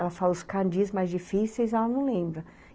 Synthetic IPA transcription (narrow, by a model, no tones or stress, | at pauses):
ɛlɐfalʊskãd͡ʒizmajzd͡ʒifisejzɛlɐnɐ̃w̃lẽmbɾɐ